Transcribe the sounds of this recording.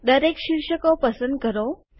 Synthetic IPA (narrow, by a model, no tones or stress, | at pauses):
d̪əɾekɕiɾʂəkɔpəsənd̪̚kəɾo